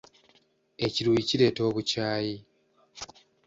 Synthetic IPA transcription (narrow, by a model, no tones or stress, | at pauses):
e̞ciɾuiciɾe̞ːto̞ːβucaːji